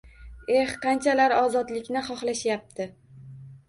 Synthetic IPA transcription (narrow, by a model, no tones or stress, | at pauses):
e̞hqʰɑnt͡ʃʰalaɾɒzɒd̪lɪkʲnɪχɒχlaʃjap̚t̪ʰɪ